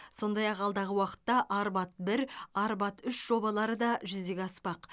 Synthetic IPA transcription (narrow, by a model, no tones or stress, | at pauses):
so̞nd̪ɑjɑqɑlˠd̪ɑʁəwɑqə̥t̪ːɑʔɑɾbɑt̪̚bɪɾɑɾbɑt̪ʏʃʒ̥o̞bɑlˠɑɾəd̪ɑʒʏzd̪e̞ɡʲɑspɑq